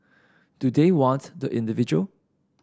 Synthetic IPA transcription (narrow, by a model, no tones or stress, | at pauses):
d̥udewɔ̃ntdəʔɪ̃ndivid͡ʒuəl